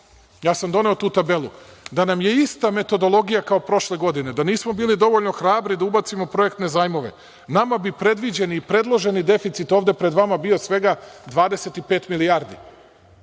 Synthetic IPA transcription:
jaːsamd̪o̞ne̞ot̪uːt̪abe̞lˠud̪anamje̞ist̪ame̞t̪o̞d̪o̞lˠo̞ɡijakao̞pɾo̞ʃle̞ɡo̞d̪ine̞d̪aniːsmo̞biːlid̪o̞ʋo̞ʎno̞xɾaːbɾid̪aubat̪simo̞pɾo̞e̞kt̪ne̞zaːjmo̞ʋe̞̰ | namabipɾe̞d̪ʋid͡ʑe̞niːpɾe̞d̪lˠo̞ʒe̞nid̪e̞fit̪sit̪o̞ːʋd̪e̞pɾe̞d̪ʋamabio̞sʋe̞ɡad̪ʋaːd̪e̞se̞t̪ipe̞ːt̪milijaːɾd̪ḭ

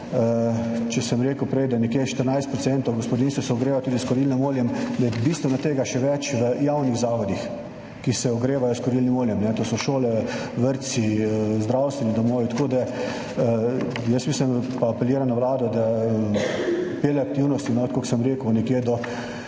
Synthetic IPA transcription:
ət͡ʃɛsəmɾeːkəwpɾɛjd̪anɛkjeːʃt̪əɾnajst̪̚pɾɔt̪sɛnt̪owɡɔspɔd̪inst̪ʋɔsɛɔɡɾeːʋat̪uːd̪iskɔɾilnimoːljɛmd̪ajɛbist̪ʋɛnat̪eːɡaʃɛʋɛt͡ʃʋəjawniɣzaːʋɔd̪ix | kisɛɔɡɾeːʋajɔskɔɾilnimoljɛmnɛt̪oːsɔʃoːlɛʋəɾt̪sizd̪ɾawst̪ʋɛnid̪ɔmoːʋit̪ḁkoːd̪a | jəsmislimpaːpɛljeːɾamnaʋlaːd̪ɔd̪a | pelɛakt̪iwnɔst̪inɔkoksəmɾeːkənɛkjeːd̪ɔ

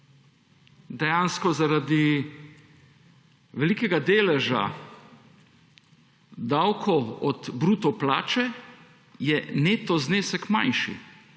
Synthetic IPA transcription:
d̪ɛjaːnskɔzaɾad̪i | ʋɛlikɛɡad̪eːlɛʒa̰ | d̪awkʰɔɔd̪bɾuːt̪ɔplaːt͡ʃɛ | jɛneːt̪ɔzneːsɛkma̰jnʃḭ

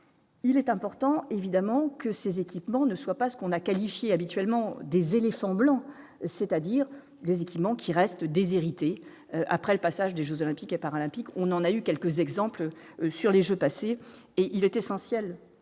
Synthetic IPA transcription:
ilɛt̪ɛ̃pɔʁt̪ɑ̃evid̪amɑ̃kəsezekʲipmɑ̃nəswapasə̥kɔ̃nakalifjeabit̪ɥɛlmɑ̃d̪ezelefɑ̃blɑ̃ | sɛt̪ad̪iʁ | d̪ezekʲipmɑ̃kʲʰiʁɛst̪d̪ezeʁit̪e | øʔa̰pχɛləpasaʒd̪eʒøzɔlɛ̃pikepaʁalɛ̃pikɔ̃nɑ̃naykʲɛlkəzɛɡzɑ̃pl | syʁleʒøpaseː | ʔilɛt̪esɑ̃sjɛl

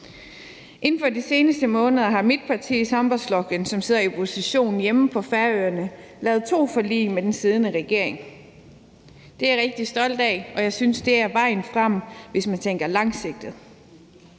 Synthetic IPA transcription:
ʔe̝n̩fɒdise̝ːnəsd̥əmɔ̽ːnəð̞ˠɐɦɑ̈mid̥̚pʰɑ̈t͡sʰḭːisɑ̈mb̥ɒslɒ̽ɡ̥ənsɒ̽mse̝ð̰ˠɐipʰo̝siɕo̝̰ːn̩jeməpʰɒ̽fæɐøːɐnəlɛːð̞ˠt͡sʰo̝̰ːfɒ̽lḭːmed̥ensið̞ˠnəʁɛɡ̥e̝ɐ̰eŋ | d̥e̝æɐʁɛɡ̥̚d̥isd̥ɒ̽l̰d̥ɛ̰ːɒ̽jɑ̈ɪsynsd̥e̝æɐʋɑ̈ɪ̰n̩fʁɑm̰ʋe̝smænt͡sʰeŋ̰ɡ̥ɐlɑ̈ŋse̝ɡ̥̚d̥ð̩ˠ

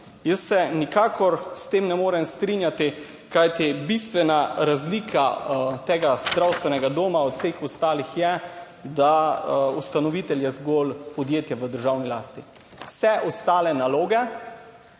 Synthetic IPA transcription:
jəsːɛnikaːkɔɾst̪eːmnɛmoːɾɛmst̪ɾinjat̪i | kajt̪ibist̪ʋɛnaɾazliːkʰat̪eːɡazd̪ɾawst̪ʋɛnɛɡad̪oːmaɔt̪w̥fseːxɔst̪aːlixjɛ | d̪aust̪anɔʋiːt̪ɛljɛzɡolpɔd̪jeːt̪jɛʋəd̪əɾʒaːwnilaːst̪i | wsɛʔɔst̪aːlɛnaloːɡɛ

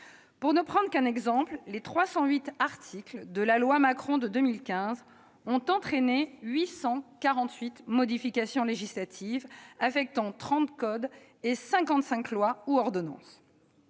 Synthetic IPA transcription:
puʁnəpχɑ̃d̪ʁkɛ̃nɛɡzɑ̃pllet̪χwasɑ̃ɥit̪aʁt̪ʰikld̪əlalwamakχɔ̃d̪əd̪əmilkʲɛ̃z | ɔ̃t̪ɑ̃t̪χeneɥisɑ̃kaʁɑ̃t̪ɥit̪mɔd̪ifikasjɔ̃leʒislat̪ʰivafɛk̚t̪ɑ̃t̪χɑ̃t̪kɔd̪ | esɛ̃kɑ̃t̪sɛ̃klwauɔʁd̪ɔnɑ̰̃s

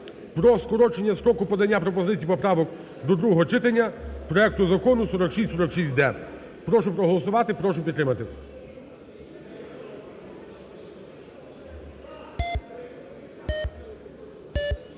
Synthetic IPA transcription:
pɾɔskɔɾɔt͡ʃenʲːɐsɾɔkʊpɔd̪ɐnʲːapɾɔpɔzɪt͡sʲijpɔpɾɑʋɔk | d̪ɔd̪ɾuɦɔɦɔt͡ʃɪt̪ɐnʲːɐpɾɔɛk̚t̪ʊzɐkɔnʊsɔɾɔkʃisʲtʲsɔɾɔkʃisʲtʲd̪ɛ | pɾɔʃʊpɾɔɦɔlˠɔsʊʋɑt̪ɪpɾɔʃʊpʲid̪ɾɪmɐt̪ɪ

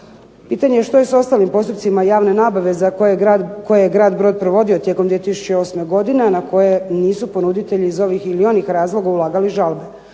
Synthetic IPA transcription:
piːt̪aɲejeʃt̪o̞jesao̞st̪aːlimpo̞st̪up̪simajaːʋne̞naːbaʋe̞zakojeako̞jejeɡɾaːd̪bɾo̞d̪̚pɾoʋo̞d̪io̞t̪je̞komd̪ʋiet̪isu̥t͡ɕeo̞sme̞ɡo̞d̪ineanakʰo̞je̞niːsupo̞nud̪it̪eʎiːzo̞ʋixilio̞nixɾaːzlˠo̞ɡaulˠaːɡaliʒalbe̞

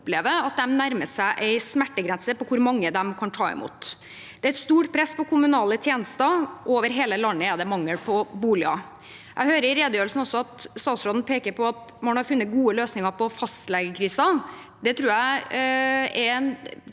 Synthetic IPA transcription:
ʊpleːʋəɑt̪̚d̪ɛmnæɾməsæɪʔæɪsmæʈːəɡɾɛnsəpɔkʰʊɾmɑŋːəd̪ɛmkʰɑnt̪ʰɑ̰ːɪ̰mṵːt̪ | d̪̥ɛæɪt̪st̪uːʈpʰɾɛspɔkʰʊmʉnɑːlət̪ʰjeːnəst̪əʔoːʋəɾɦeːləlɑnːəɛd̪ɛmɑŋːəlpʰɔbuːlɪɑ̰ | jʔæ̰ɡhøːɾəɾɪɾeːd̪əjøːɾəlsn̩ɔsːɔɑt̪st̪ɑːt̪sɾoːd̪n̩pʰeːkəɾpʰɔɑt̪mɑnhɑɾfʉnːət̪̚ɡuːəløːsnɪŋəɾpɔfɑst̪lɛɡəkʰɾiːsɑ | d̪ɛt̪ʰɾuːjæɪ | ɛɾɛn

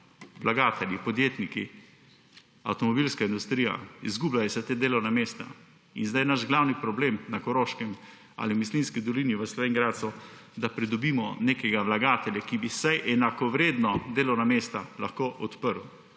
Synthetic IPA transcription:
ʋlaɡaːt̪ɛljipɔd̪jeːt̪niki | a̰wt̪ɔmɔbilskaind̪ust̪ɾiːja̰izɡublajɛsɛt̪ed̪eːlɔwnameːst̪a̰ | ḭnzd̪ajɛnaʒɡlawnipɾɔbleːmnakɔɾoːʃkɛm | a̰limislinskid̪ɔliniʋəslɔʋeːŋɡɾaːt̪sɔd̪apɾid̪ɔbiːmɔnekɛɡaʋlaɡaːt̪ɛljakibisajʔɛnakɔʋɾeːd̪nɔd̪eːlɔwnameːst̪alaxkoːʔɔt̪pəɾw

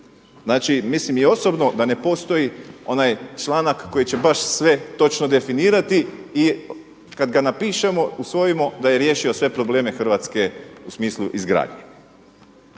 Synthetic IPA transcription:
znaːt͡ʃimislimio̞so̞bno̞d̪ane̞po̞st̪o̞jio̞najt͡ʃlˠaːnakːo̞jit͡ɕe̞baʃsʋe̞t̪o̞t͡ʃnod̪e̞finiːɾat̪iː | kad̪ɡanapiːʃemo̞usʋo̞jimo̞d̪aje̞ɾje̞ːʃio̞sʋe̞pɾo̞ble̞ːme̞xr̩ʋaːt̪ske̞usmiːslˠuʔizɡɾa̰ːd̪ɲḛ

